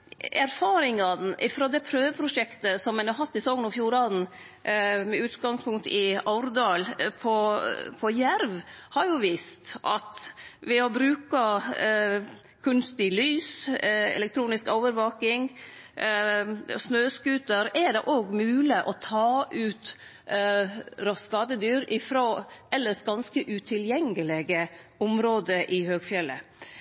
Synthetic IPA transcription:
æɾfɑːɾɪŋɑnʔɪfɾoːd̪ɛpʰɾøːʋəpʰɾʊʂɛkt̪əsɔmɛnɑɾhɑt̪ːɪsɔɡnɔfjuːɾɑd̪n | mɛʉːt̪ɡɑŋspʰʊŋkt̪ɪɑʊɾd̪ɑːlpʰɔpʰɔjæɾʋhɑɾjʊʋiːst̪ʔɑ̰t̪ʋɪɔbɾʉːkɑ | kʰʉnst̪ɪlyːsɛ̰lɛk̚t̪ʰɾuːnɪskoːʋəɾʋoːkɪŋ | snøːskʉːt̪əɾɛɖɛ̰ʔoːɡmʉːlɪʔɔt̪ʰɑːʔʉːt̪ | ɾɔskɑːd̪əd̪yːɾɪfɾoːʔɛlːəʂɡɑnskəʔʉt̪ʰɪljɛŋəlɛɡəʊmɾoːd̪əʔɪhøːɡfjɛlːə̰

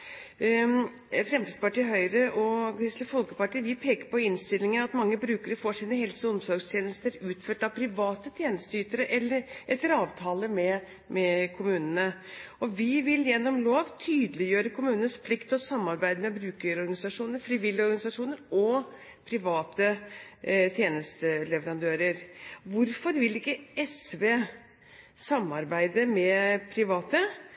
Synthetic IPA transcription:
fɾɛmt̪iːd̪spɑʈiːɦœʏɾəʔɔkɾɪst̪lɪfɔlkəpɑʈiːʋɪpʰeːkəɾpɔɪnst̪ɪlːɪŋənɑt̪mɑŋːəbɾʉːkəɾəfɔʂiːnəhɛlsɔɔmsɔɾɡst̪ʰjɛːnəst̪əɾʉːt̪føːʈɑʋpʰɾɪʋɑːt̪ət̪ʰjeːnəst̪yːt̪əɾəʔɛlːəɾʔɛlːəɾɑːʋt̪ʰɑːləmɛ | mɛkʰʊmʉːnənəɔʋɪʋɪljɛnːɔmloːʋt̪ʰyːd̪əlɪjøːɾəkʰʊmʉːnənspʰlɪkt̪ɔsɑmːɑɾbæɪd̪əmɛbɾʉːkəɾɔɾɡɑnɪsɑʂuːnəɾfɾɪʋɪlːɪɔɾɡɑnɪsɑʂuːnəɾɔ | pʰɾɪʋɑːt̪ə | t̪ʰjeːnəst̪əlɛʋəɾɑnd̪øːɾəɾʋʊɾfɔɾʋɪlɪkːəɛsʋeː | sɑmːɑɾbæɪd̪əmɛpʰɾɪʋɑːt̪ə

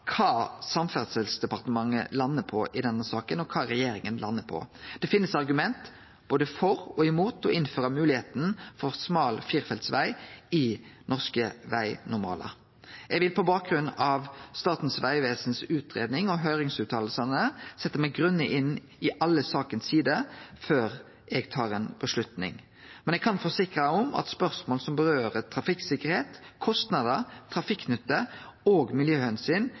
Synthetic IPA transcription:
kʰɑːsɑmfæʁsəlsd̪ɛpɑʁt̪əmɑŋːə̰lɑnːəpʰɔʔɪd̪ɛnːəsɑːkənɔkʰɑːɾɛjeːɾɪŋənlʔɑnːəpʰɔ̰d̪̥ɛfɪnːəsɑʁɡʉmɛnt̪ | b̥oːd̪əfɔɾɔɪmuːt̪ɔ̰ɪnføːɾɑmʉːlɪheːt̪n̩fɔɾsmɑːlfiːʁfɛlt̪sʋæɪɪnɔʁskəʋæ̰ɪnʊmɑ̰ːlɑ̰ | ɛɡʋɪlpʰɔbɑːk̚ɡʁʉnɑʋst̪ɑːt̪n̩sʋæɪʋeːsnsʉːt̪ʰɾeːd̪nɪŋɔɦœʏɾɪŋsʉːt̪ʰɑːl̩sɑnəsɛt̪ːəmæɪɡʁʉnːəʔɪnː | ɪʔɑlːəsɑːkənssiːd̪əføːɾ | ʔɛɡt̪ʰɑːʁeːnb̥əʂlʉt̪nɪ̰ŋ | mɛnɛɡkʰɑnfoːsɪkɾɑɔmʔɑ̰t̪spœʁsmoːlsɔmbəʁøːʁət̪ʰɾɑfɪksɪkəʁheːt̪kʰɔst̪nɑd̪ət̪ʰɾɑfɪkːnʏt̪ːəoːɡmɪljøːɛnsyːn

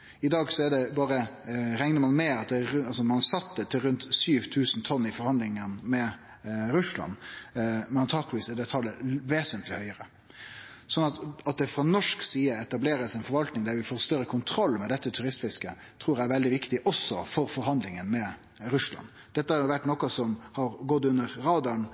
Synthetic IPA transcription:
ɪd̪ɑːɡsɔæɖɛbɑːɾəɾɛŋnəɾmɑnmɛɑt̪̚d̪ɛɑlsɔmɑnsɑt̪ːət̪ʰɪlɾʉnt̪syːʋt̪ʰʉːsn̩t̪ʰɔnːɪfɔɾhɑnd̪lɪŋənmɛ | ɾʉslɑ̰n | mɛnɑnt̪ʰɑːklʋiːsɛd̪ɛt̪ʰɑlːəʋeːsənt̪ʰlɪhœʏəɾə | sɔnːɑt̪ɑt̪̚d̪ɛfɾɑnɔʂksiːəɛt̪ɑbleːɾəsæɪnfɔɾʋɑlt̪nɪŋd̪ɛæːjʊʋɪfoːɾst̪œɾːəkʰʊnt̪ʰɾɔlːmɛd̪ɛt̪ːət̪ʰʉɾɪst̪flɪskə | t̪ʰɾuːɾææɾʋɛld̪ɪʋɪkt̪ɪʔɔsːɔfɔɾfɔɾɦɑnd̪lɪŋənmɛ | ɾʉslɑ̰nː | d̪ɛt̪ːəhɑɾjʊʋæʈːnɔkːɑsɔmhɑɾɡɔt̪ːʉnːəɾɾɑːd̪ɑn

